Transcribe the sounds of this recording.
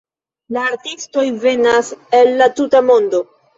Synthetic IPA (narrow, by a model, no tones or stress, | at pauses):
laːɾtisto̞jve̞nase̞lːatutamo̞ndo̞